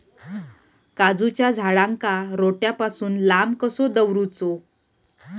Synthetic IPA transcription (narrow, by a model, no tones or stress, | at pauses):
kad͡zut͡ɕjad͡zʱaɭaŋkaɾoʈjapasuːnlamkəsod̪əwɾut͡so